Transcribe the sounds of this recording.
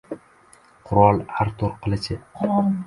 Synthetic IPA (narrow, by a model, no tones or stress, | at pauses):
qʰʊɾɒlˠhaɾt̪ʰoɾqʰɨlˠɪt͡ʃʰɪʊɾ